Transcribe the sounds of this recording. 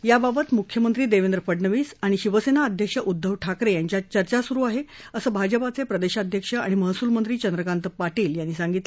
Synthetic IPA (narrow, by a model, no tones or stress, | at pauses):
jababət̪mukʰjəmənt̪ɾiːd̪eʋẽnd̪ɾəfəɽɳəʋiːsaɽ̃iɕiʋəsenaəd̪ʱjəkʂəʔud̪ʱːəʋʈʰakɾejaɲt͡ɕjat͡ɕəɾt͡ɕasuɾuːaɦe | əsəːbʱad͡ʑəpat͡sepɾəd̪eɕad̪ʱjəkʂəa̰ɽ̃iməɦsuːlmənt̪ɾiːt͡ɕənd̪ɾəkant̪əpaʈiːljanːiːsaŋɡit̪lə